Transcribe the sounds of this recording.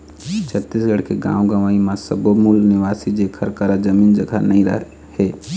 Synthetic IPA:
t͡ʃʰət̪ːisɡəɽkeɡã̰ːoɡəʋaːimãsəbomulnɪʋaːsid͡ʒekʰəɾkəɾad͡ʒəmiːnd͡ʒəɡʱa̰nəĩɾə̰ɦ | he

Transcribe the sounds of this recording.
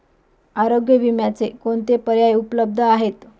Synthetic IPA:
aɾoɡjəʋimjat͡sekoɳt̪epəɾjajupləb̚d̪ʱəaɦet̪

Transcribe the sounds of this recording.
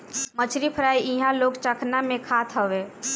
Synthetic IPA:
mət͡ʃʰɾipʰəɾaːiĩɦãloːɡt͡ʃəkʰnamẽkʰaːt̪ʰɦəʋeː

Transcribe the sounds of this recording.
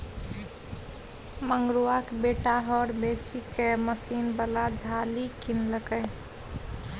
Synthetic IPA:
məŋɡɾuakebeʈaɦɔɾbet͡ʃikeməsinbəlad͡ʒʱalikinləkəj

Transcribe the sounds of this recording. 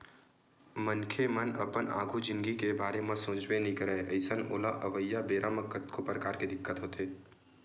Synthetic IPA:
mənkʰemənəpəna̰ːɡʱud͡ʒɪ̃nɡikebaːɾemãsõːd͡ʒbenĩkəɾɛəɪsəno̰ːlaʔəʋəjːabeːɾʔaməkət̪kʰopɾəkaːɾked̪ɪkːət̪ɦoːt̪eː

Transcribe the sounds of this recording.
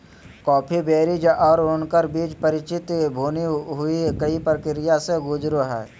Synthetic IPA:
kɔːpʰibeːɾid͡ʒʔɔːɾoːnkəɾbiːd͡ʒpəɾɪt͡ʃɪt̪bʱuːniɦʊikəipɾəkɪɾɪjaseɡʊd͡ʒɾoɦɛː

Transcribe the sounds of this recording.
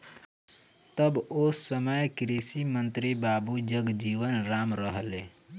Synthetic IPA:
t̪əbosːəməjkɾisimənt̪ɾibabud͡ʒəɡd͡ʒiʋənɾamɾəɦəle

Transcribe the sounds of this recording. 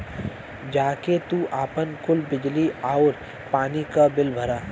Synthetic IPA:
d͡ʒaːket̪uːʔaːpənkʊlbɪd͡ʒliaːoɾ | paːnikabɪlbʱəɾaː

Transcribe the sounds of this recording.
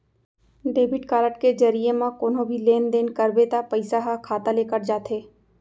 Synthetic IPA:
ɖeːbɪʈkaːɾəʈked͡ʒɐɾijemãkoːnõbʱileːnd̪eːnkɐɾbet̪apɐɪsaɦakʰaːt̪aleːkəɾd͡ʒaːt̪ɦeː

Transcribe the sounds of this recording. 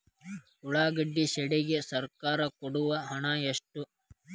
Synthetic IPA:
uɭaːɡɐɖːiʃɛɽɛɡesɐɾkaːɾɐkɔɽuʋɐɦɐɳajeʂʈu

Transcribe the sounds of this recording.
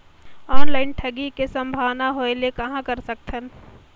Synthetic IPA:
ɔːnlaːɪnʈʰəɡikesɐ̃mbʱaːʋnaɦoelekɐɦãkɐɾsək̚t̪ʰən

